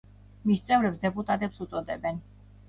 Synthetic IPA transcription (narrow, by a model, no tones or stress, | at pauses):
mist̪sʼɛvɾɛpsd̪ɛpʼut̪ʼat̪ʼɛpsut̪sʼɔd̪ɛbɛn